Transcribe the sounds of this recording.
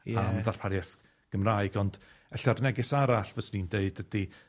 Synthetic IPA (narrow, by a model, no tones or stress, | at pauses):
amðarpʰaɾjɛθ | ɡ̥əmraɨɡɔnd | ɛɬarnɛɡɪsaɾaɬvəsnindeɨdəd̥i